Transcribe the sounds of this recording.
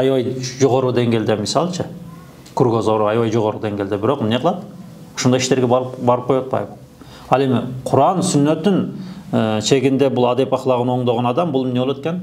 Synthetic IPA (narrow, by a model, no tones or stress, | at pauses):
ɑjwɑjʒoʁoɾəd̪e̞ŋɡʲe̞ld̪emɪsɑlˠʃə | kʰʊrɡozoɾɑjwɑjʒoʁoɾəd̪e̞ŋɡʲeld̪ebɪɾoqmneqʰlˠɑd̪ə | o̥ʃond̪ɑjɪʃt̪e̞ɾɡʲebɑɾəp̚qʰojɑt̪̚bʰɑ̰jbə | ɑlˠe̞mɪqʰʊɾɑnsʏnːet̪ːɪnəʃe̞ɡʲɪnd̪e̞bʊlˠɑd̪epɑχlˠɑʁənwo̞ɴd̪ɑʁɑnɑd̪ɑmbʊlˠmɪnewolˠwet̪̚kʲen